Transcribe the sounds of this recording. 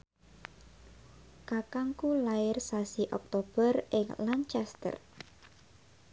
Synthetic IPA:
kakaŋkulaɪrsasiʔɔ̰k̚t̪ob̥ərɪŋlant͡ʃɛst̪ə̰r

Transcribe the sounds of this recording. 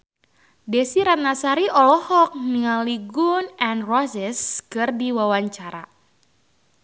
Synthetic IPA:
desiɾat̪̚nasaɾiɔlɔhɔk̚niŋaliɡunɛnrɔsɛskɨrdiwawaɲt͡ʃaɾa̰

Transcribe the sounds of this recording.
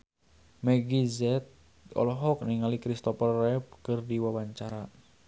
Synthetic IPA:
mɛɡizɛt̪̚ | ɔ̰lɔɦɔk̚niŋalikɾist̪ɔfərɛp̚kɨrdiwawaɲt͡ʃaɾa

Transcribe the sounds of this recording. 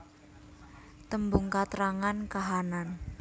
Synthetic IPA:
t̪əmbuŋkat̪ɾaŋankaɦanan

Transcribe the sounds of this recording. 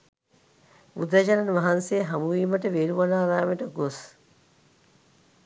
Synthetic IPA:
ud̪ɐd͡ʒanɐnʋɐɦansejɦɐmuʋiːməʈəʋeɾuʋɐnaːɾaːmeʈəɡos

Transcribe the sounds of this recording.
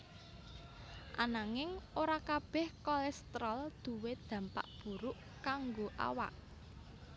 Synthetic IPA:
ʔanaŋɪŋoɾakab̥ɛ̤hkɔlɛst̪ɾɔld̪̥ṳwed̪̥ä̤mpa̰ʔb̥ṳɾʊʔ | kaŋɡoʔa̰wa̰ʔ

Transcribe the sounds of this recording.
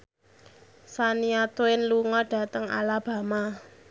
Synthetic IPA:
saniat̪uɪnluŋɔɖ̥ä̤t̪əŋa̰lab̥a̤ma

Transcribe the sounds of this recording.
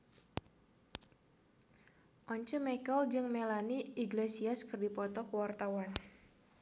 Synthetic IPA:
ʔɔɲt͡ʃəmɛkəld͡ʒɨŋmelaniiɡlesiaskɨrdipɔt̪ɔkəwart̪awan

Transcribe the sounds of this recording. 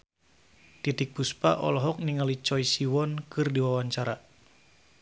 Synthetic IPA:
t̪it̪ik̚buspaʔɔ̰lɔɦɔk̚niŋalit͡ʃɔisiwɔnkɨrdiwawaɲt͡ʃaɾa

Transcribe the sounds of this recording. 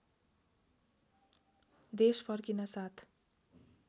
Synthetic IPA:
d̪espʰʌrkinʌsat̪ʰ

